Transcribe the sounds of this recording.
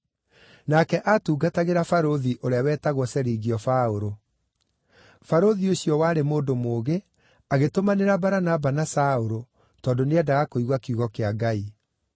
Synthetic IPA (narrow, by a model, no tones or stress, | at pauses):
nakɛʔatuːɡataɣeɾafaɾoðiʔoɾeawɛːtaɣwɔsɛɾiɣiɔfaoɾo | faɾoðioɕijɔwaːɾemoːndomoːɣe | aɣetomaneɾabaɾanabanasaoɾo | tɔːndoneadaɣakoiɣwakuɣɔkeaɡai